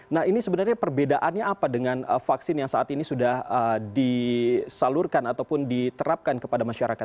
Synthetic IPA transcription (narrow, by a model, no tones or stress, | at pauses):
nahinisəbənarɲapərbedaʔanɲaapadəŋanəfaksɪnjaŋsaʔat̪inisudahədisalʊrkanat̪awpʊndit̪əɾap̚kankəpadamaʃaɾakat̪̚